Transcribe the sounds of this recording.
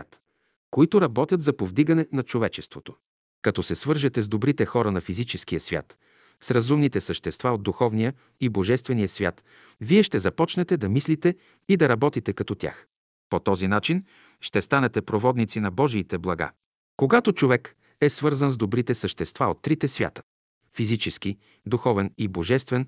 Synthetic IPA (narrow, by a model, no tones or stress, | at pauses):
t̪ | koit̪oɾɐbɔt̪ʲjət̪zɐpovd̪iɡɐnɛnɐt͡ʃovɛt͡ʃɛst̪vot̪o̥ | kɐt̪ɔsɛsvɤɾʒɛt̪ɛzd̪obɾit̪ɛxɔɾɐnɐfizit͡ʃɛskijəsvʲja̰t̪ | sɾɐzumnit̪ɛsəʃt̪ɛst̪vaod̪̚d̪uxɔvnijə | iboʒɛst̪vɛnijəsvʲja̰t̪ | viɛʃt̪ɛzɐpɔt͡ʃnɛt̪ɛd̪ɐmislit̪ɛ | id̪ɐɾɐbɔt̪it̪ɛkɐt̪ɔt̪ʲja̰x | pot̪ɔzinat͡ʃin | ʃt̪ɛst̪anɛt̪ɛpɾovɔd̪nit̪sinɐbɔʒiːt̪ɛblˠɐɡa̰ | koɡat̪ot͡ʃovɛk | ɛsvɤɾzənzd̪obɾit̪ɛsəʃt̪ɛst̪vaot̪ːɾit̪ɛsvʲja̰t̪ə̥ | fizit͡ʃɛsk̟i | d̪uxɔvɛniboʒɛst̪vɛn